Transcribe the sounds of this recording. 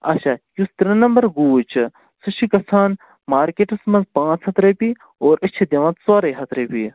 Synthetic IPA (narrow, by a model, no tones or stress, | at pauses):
ɐ̰ʃajust̪ɾinɐmbɐɾɡuːt͡ʃ | suʃʰikɐsʰaːn | maːɾkeːʈɨsmɐnzpãːt͡sʰɐt̪ɾɐpi | oːɾɐt͡ʃʰid̪ʲɐʋɐ̃t̪swaːɾɐjɦɐt̪ɾepi